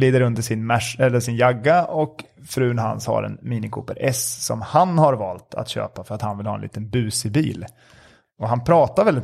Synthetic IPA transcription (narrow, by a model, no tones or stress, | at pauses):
liːd̪əɾɵnd̪əʂɪnmɛʂɛlːəʂɪnjaɡːaɔk | fɾʉ̟ːnɦa̰nsha̰ɾɛ̰nmiːnɪkʰṵːpəɾʔɛssɔ̰mhanhaɾvɑːlt̪ʰa̰t̪ɕø̰ːpafœɾat̪hanvɪlhɑ̰ːɛnḭːt̪ənbʉ̟ːsɪbḭːl | ɔɦanpʰɾɑːt̪aɾvɛlɪt̪